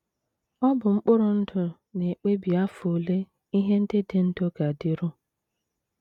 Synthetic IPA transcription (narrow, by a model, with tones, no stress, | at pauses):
ɔ˦bʊ˨ŋ͡m̩˦k͡pʊ˦ɾʊ˨n̩˦dʊ˨ | ne˨k͡pe˦bi˨a˦fo˨le˦ | i˦ɦe˦n̩˦de˦de˦n̩˦do˦ɡa˨dɪ˦ɾʊ˦